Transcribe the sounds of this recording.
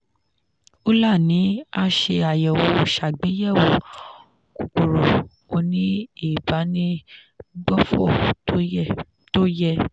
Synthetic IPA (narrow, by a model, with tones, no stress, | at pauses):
o˦la˦˨nĩ˨˦a˧ʃe˧a˨jɛ˨wo˧˦o˨ʃa˨ɡ͡be˨˦jɛ˦˨wo˨ | ku˨ko˨ɾɔ˨ | o˧nĩ˦i˦˨ba˨˦nĩ˦ | ɡ͡bɔ˦fɔ˦˨˦ | to˦jɛ˦˧